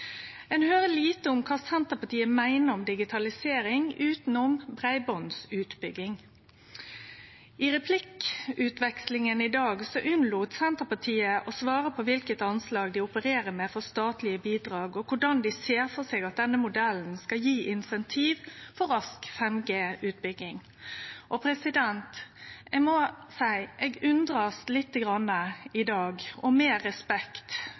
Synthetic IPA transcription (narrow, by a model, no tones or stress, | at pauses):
ɛnhøːɾəliːt̪əʊmkʰɑːsɛnt̪əɾpɑʈ̪iːəmæɪnəɾɔmd̪ɪɡɪt̪ʰɑlɪseːɾɪŋʉːt̪n̩ɔmbʁæɪbɔnsʉːt̪bʏɡɪŋ | ɪɾɛpʰlɪkʉːt̪ʋɛkslɪŋənɪd̪ɑːɡsɔʔʉnluːt̪sɛnt̪əpɑʈʰiːəʔɔsʋɑːɾəpʰɔʋɪlkət̪ɑnslɑːɡd̪ɪʊpəɾeːɾəɾmɛfɔst̪ɑːt̪lɪəbiːd̪ɾɑːɡɔkʰʊɖɑnd̪ɪseːɾfɔseːɡɑt̪̚d̪ɛnːəmʊd̪ɛln̩skɑjiːʔɪnsɛnt̪ʰiːʋfɔɾɑskfɛmɡeːʉːt̪̚bʏɡːɪŋ | ʔɔpʰɾɛsɪd̪ɛnt̪ɛɡmɔsæɪʔɛɡʉnd̪ɾɑslɪt̪ːəɡɾɑnːəɪd̪ɑːɡʔɔmeːɾɛspɛkt̪